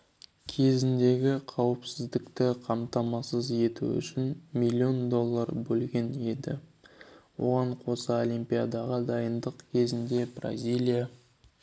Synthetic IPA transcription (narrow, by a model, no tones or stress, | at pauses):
kʲʰe̞zɪnd̪e̞ɡʲɪqʰɑwəpsɪzd̪ɪkt̪ɪqʰɑmt̪ɑmɑsəze̞t̪ṵʏ̰ʃɪnmilʲːio̞nd̪o̞lˠːɑɾbɵlɡʲe̞ne̞d̪ɪ | wo̞ʁɑɴqʰo̞səo̞lʲimpʲijad̪ɑʁəd̪ɑjənd̪əqkʲʰe̞zɪnd̪e̞bra̰zʲilʲija